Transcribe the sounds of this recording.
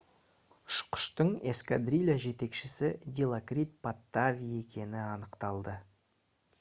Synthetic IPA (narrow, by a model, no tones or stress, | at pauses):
ʊ̥ʃqʊ̥ʃt̪əɴeskad̪rilʲaʒe̞t̪e̞kʃɪsɪd̪ʲelˠakrʲit̪̚pat̪ːavʲije̞kʲʰe̞nɪɑnəqt̪ɑlˠd̪ə